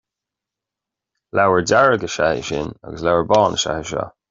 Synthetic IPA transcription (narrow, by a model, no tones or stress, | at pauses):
lawəɹdaɹəɡəʃahɪ̰ʃɪna̰ɡəslawəɹbɔːnəʃa̰həʃɔ̰